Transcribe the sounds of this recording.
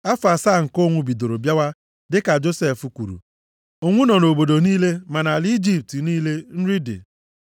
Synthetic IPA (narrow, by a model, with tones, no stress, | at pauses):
a˦fa˨sa˦˨ŋ̩˨ko˦ŋʷʊ˦bi˨do˨ɾo˨bja˦wa˦ | dɪ˦ka˨d͡ʒo˦se˦˨fu˨kʷṵ˨ɾṵ˨ | o˦ŋʷʊ˦nɔ˨no˨bo˨do˨niː˦le˦ma˨na˨ld͡ʒi˦p̚ti˨niː˦le˦n̩˦ɾi˦dɪ̰˨